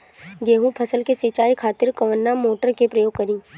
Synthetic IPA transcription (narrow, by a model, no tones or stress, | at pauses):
ɡeːɦũpʰɐsəlkesɪt͡ʃaːikʰaːt̪ɪɾkɐʋənːamoːʈəɾkepɾəjoːɡ̚kɐɾĩː